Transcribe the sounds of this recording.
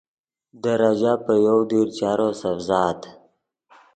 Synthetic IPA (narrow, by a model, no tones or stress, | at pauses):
d̪əɾad͡ʒapəjowd̪iɾt͡ʃɑːɾosafzɑːt̪